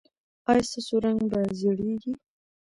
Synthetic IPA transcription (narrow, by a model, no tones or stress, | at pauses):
ajsəsoɾaŋɡbazeɽeɡi